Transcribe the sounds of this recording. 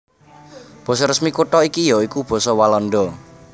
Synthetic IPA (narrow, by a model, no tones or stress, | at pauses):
b̥ɔ̤sɔɾəsmikuʈɔikijɔikub̥ɔ̤sɔwalɔnɖɔ